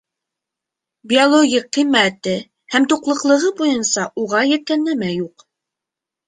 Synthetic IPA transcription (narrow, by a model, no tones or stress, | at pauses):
bʲiolˠoɡʲiqːimːæt̪ɘ | hæmt̪uqlˠɤ̆qlˠɤ̆ʁɤbujɤnsɑʔuʁɑjæ̆t̪ːænlːæmæjuq